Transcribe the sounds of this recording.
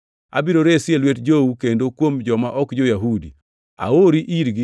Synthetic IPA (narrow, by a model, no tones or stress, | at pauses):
a̰biɾoɾesɪelwetd͡ʒoukendokwomd͡ʒɔmaʔɔkd͡ʒojaɦudḭ | a̰oɾiʔiɾɡɪ